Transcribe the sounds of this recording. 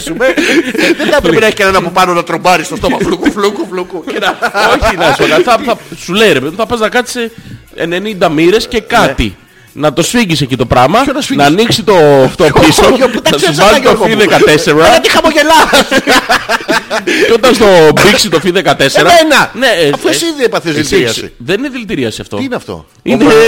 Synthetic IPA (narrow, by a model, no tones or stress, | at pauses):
sumeðed̪ɐp̪epɾiɐçikɐnenɐpopɐnonɐt̪ɾombɐɾist̪oft̪omɐflukuflukuflukuenɐoçinɐsolɐθɐθɐsuleiɾe̞peðimũθɐpɐznɐkɐt͡s̪i̥se | ene̞nind̪ɐmiɾe̞sce̞kɐt̪ḭ | nɐt̪o̞sfiɲɟisecit̪o̞pɾɐmɐonɐsinɐːniksit̪o̞ft̪opisooɐɐsuvɐzit̪ofiðekɐt̪e̞seɾɐnɐt̪ixɐmoʝelɐs | o̞t̪ɐnst̪o̞biksit̪ofiðekɐt̪e̞seɾɐenɐneɐft̪osiðiepɐθeziliɐsḭðenineðilt̪iɾiɐsiɐft̪o̰inɐft̪o̰ | ine